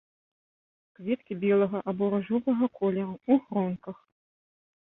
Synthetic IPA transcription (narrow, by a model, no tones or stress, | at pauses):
kvʲɛt̪̚kʲibʲɛlˠɐɣɐʔabɔɾɐʐɔvɐɣɐkʰɔlʲɐɾɐuɣrɔnkɐx